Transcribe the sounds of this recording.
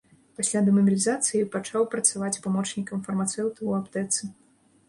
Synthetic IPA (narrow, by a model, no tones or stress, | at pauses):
pasʲlʲad̪ɐmɐmʲilʲizat̪sɨjipat͡ʂawpɾɐt̪savat͡sʲpamɔt͡ʂnʲikɐmfɐrmat̪sɛwt̪uuapt̪ɛt̪sɨ